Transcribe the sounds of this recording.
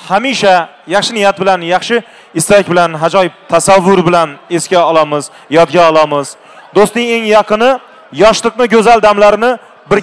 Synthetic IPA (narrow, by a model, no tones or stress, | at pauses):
hamiʃa | jɑχʃɪnɪjat̪̚bɪlanjɑχʃɪ | ɪst̪akʲbɪlanɦad͡ʒɒjt̪ʰasavːʊɾbɪlane̞skʲaɒlˠamɪz | jɒd̪ɡʲaɒlˠamɪz | d̪ost̪nɪŋe̞ŋjɑqʰɨnɪ | jɒʃlˠɨqnɪɡʲɵzald̪amlaɾɪnɪ | bɪɾʲ